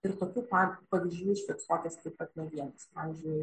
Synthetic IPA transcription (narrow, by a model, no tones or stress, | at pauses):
ɪɾt̪oːkʲuːpɑpɐʋʲizʲd͡ʒʲd͡ʒʲuːɪʃʲkʲɛt̪soːkʲɛskɐɪkɐt̪nʲɛʋʲiɛnɐspɑːʋʲɪzʲd͡ʒʲʊɪ